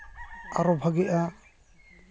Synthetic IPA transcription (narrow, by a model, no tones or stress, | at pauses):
aɾɔbʱaɡɛʔa